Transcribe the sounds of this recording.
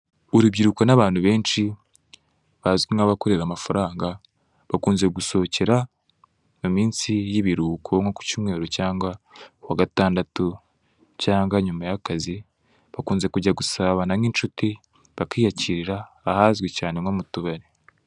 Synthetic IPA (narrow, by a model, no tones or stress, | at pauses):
uɾuβɟiɾuko̞naβaːn̥huβe̞ːnʃi | βazɡiŋaβako̞ɾe̞ɾamafaɾaːŋɡa | βakuːnze̞ɡuso̞ce̞ɾa | mumiːnsijiβiɾuːkʰoŋoku̥cimŋe̞ːɾocaːŋɡawaɡataːndatu | caːŋɡaɲumajakazi | βakuːnze̞kuɟaɡusaβanaŋiːnt͡ʃuti | βakiːjaciɾiɾaː | haːzɡwecaːne̞ŋomutuβaɾe